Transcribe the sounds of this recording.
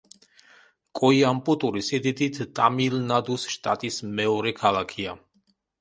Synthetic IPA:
kʼɔiampʼut̪ʼuɾisid̪id̪it̪ʰt̪ʼa̰milnad̪usʃt̪ʼa̰t̪ʼismɛɔɾɛkʰalˠakʰia

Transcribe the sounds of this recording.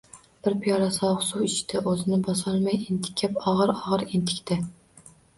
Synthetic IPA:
b̥ɪɾpʰijɑɾɑsɑʁsuwit͡ʃʰi̥d̪ɛʔozɪnɪbɑsɑlˠmɛjent̪ʰɪ̥kʲʰːɛpɑʁəɾɑʁəɾint̪ʰɪ̥kʲt̪ʰɛ

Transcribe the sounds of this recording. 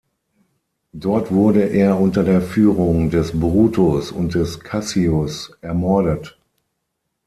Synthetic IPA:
d̥ɔɐtv̥ʊɐdəʔeːɐʔʊntɐdeːɐfyːʁʊŋdɛsbʁuːtʰosʊ̰nt̚d̥ɛskʰasiosʔɛɐmɔɐɾət

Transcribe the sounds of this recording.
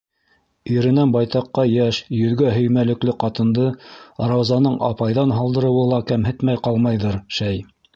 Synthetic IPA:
iɾɘ̆nænbɑjt̪ɑqːɑjæʃjɵ̆ðɡæɦɵ̆jmælɘ̆klɘqɑt̪ɤ̆nd̪ɤɾɑwzɑnɤɴʔɑ̰pɑjðɑnɦɑlˠd̪ɤ̆ɾɤ̆wɤlˠɑkæmɦɘt̪mæjqɑlˠmɑjðɤɾʃæj

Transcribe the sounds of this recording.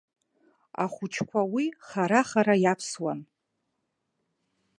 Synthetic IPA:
a̰χʷʊt͡ʃʰkʷʰawiχaɾaχaɾajapʰswan

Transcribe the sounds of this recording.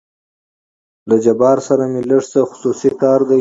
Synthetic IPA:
lad͡ʒabɑɾsaɾamiləʂsəxʊ̥susikɑːɾd̪a

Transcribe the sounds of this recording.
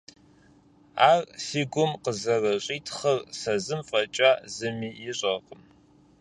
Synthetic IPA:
aːrsiːɡʷʊmqəzɐrɐɕʼiːtʰχɐrsɐzɨmfʼɐt͡ʃʼaːzɨmiːjɪɕʼɐqʼəm

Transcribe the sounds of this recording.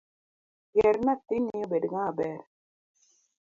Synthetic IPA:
ɡeɾnat̪ːinijobeɖiŋabɛɾ

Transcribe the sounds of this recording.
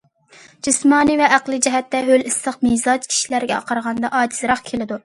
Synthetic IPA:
d͡ʒ̥ismɑːnɨvɛæqlˠɨd͡ʒɛɦɛt̪ːɛɦølisləqmizɑt͡ʃkʲʰi̥ʃilæɾɡʲɛɑ̰qʰɑɾʁɑnd̪ɑʔɑːd͡ʒizɾɑχkʲʰelɪd̪u

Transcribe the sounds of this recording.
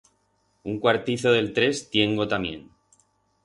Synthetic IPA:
uŋkwaɾt̪iθoð̞e̞lt̪ɾe̞st̪je̞ŋɡot̪amjẽ̞̰n

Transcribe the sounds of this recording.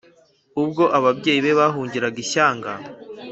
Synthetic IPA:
ub̚ɡo̞ʔaβabɟe̞ːjiβe̞βaɦuːɲɟiɾaɡiɕaːŋɡa

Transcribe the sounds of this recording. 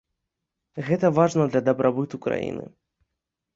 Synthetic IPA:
ɣɛt̪ɐvaʐnɐd̪lʲɐd̪ɐbɾʔabɨt̪ukɾa̰jḭnɨ̰

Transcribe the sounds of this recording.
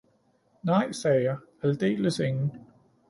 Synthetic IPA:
nɑ̈ɪ̰sɛːjɑ̈ɪ | æld̥e̝̰ːləseŋn̩

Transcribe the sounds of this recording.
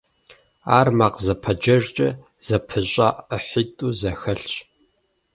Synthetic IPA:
aːrmaqzɐpʰɐd͡ʒɐʒt͡ʃʼɐ̰ | z̥ɐpʰɨɕʼaʔəħitʼuːzɐxɐɬɕ

